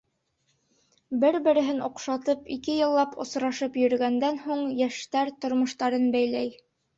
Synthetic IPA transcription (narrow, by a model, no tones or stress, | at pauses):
bɘɾbɘ̆ɾɘ̆ɦɘnŏqʃɑt̪ɤpikɘjɤ̆lˠːɑpŏ̰sɾɑʃɤpjɵ̆ɾɘ̆ɡænd̪ænhuɴjæʃt̪æɾt̪ŏɾmŏʃt̪ɑɾɤnbæjlæj